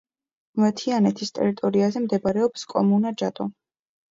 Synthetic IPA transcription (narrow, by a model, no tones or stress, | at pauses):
mɛt̪ʰianɛt̪ʰist̪ʼɛ̰ɾit̪ʼɔɾiazɛmd̪ɛbaɾɛɔpskʼɔ̰munad͡ʒat̪ʼɔ